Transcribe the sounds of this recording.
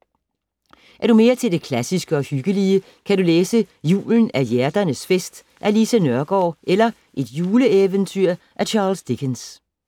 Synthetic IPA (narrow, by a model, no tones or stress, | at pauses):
ʔæɐɾ̥ume̝ːɐt͡sʰe̝ld̥e̝kʰlæsisɡ̥əɒ̽hyɡ̥əliə | kʰæɾuleːsə | jṵːln̩æjæɐd̥ɐnəsfesd̥ | ʔælisænɶɐɡ̥ɒ̰ːʔelɐ | ʔe̝d̥juːləeʋənt͡sʰyɐ̰ | ʔæt͡ɕʰɑ̈ːlsd̥iɡ̥ʰens